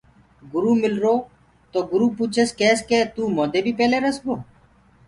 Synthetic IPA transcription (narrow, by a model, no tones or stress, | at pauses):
ɡʊɾuːmɪlɾoː | t̪oːɡʊɾuːpuːt͡ʃʰəskeːskeːt̪uːmoːd̪eːbʱiːpɛːleːɾəsboː